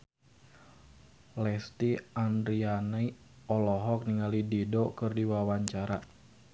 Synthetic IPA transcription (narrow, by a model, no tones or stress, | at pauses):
lɛst̪iand̪ɾianai | ɔlɔɦɔk̚niŋalididɔkɨrdiwawaɲt͡ʃaɾa